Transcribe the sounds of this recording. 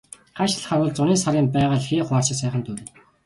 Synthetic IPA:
ɢ̥aʃ̆ʰɮχaɾʊːɮt͡sʊniːsaɾiːmpæːʁə̆ɮxeːχwaːrt͡ɕɪ̆sæːχə̆nt̪ʰɵɾɘ̆

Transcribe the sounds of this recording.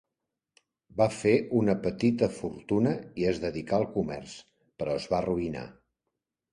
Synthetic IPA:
bafeʔunəpət̪it̪əfuɾt̪unəiəzðəðikaəlˠkumɛ̰rs | pəɾɔəzβaruina̰

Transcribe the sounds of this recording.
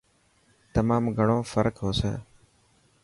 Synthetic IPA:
t̪əmaːmɡʱəɳoːfəɾkɦoːsḛː

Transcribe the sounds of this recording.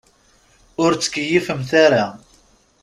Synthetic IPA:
ʊɾt͡sːə̥kːəjːifəmθaɾa

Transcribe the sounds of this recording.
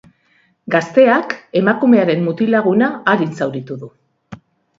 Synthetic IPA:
ɡast̪e̞ake̞makume̞aɾe̞mːut̪ilaɣ̞unaːɾinsawɾit̪uðu

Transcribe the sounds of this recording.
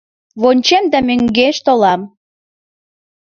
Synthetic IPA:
βonʲt͡ɕemd̪æmøŋɡeʃt̪olɑm

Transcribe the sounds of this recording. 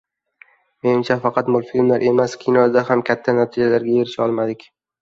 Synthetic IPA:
me̞nɪmt͡ʃʰafɑqʰɑt̪mʊlˠfilmlaɾʔe̞maskʲʰinɒɾɪd̪ahamkʲʰat̪ʰːanat̪ʰid͡ʒalaɾɡʲajeɾɪʃɒlˠmad̪ɪkʲ

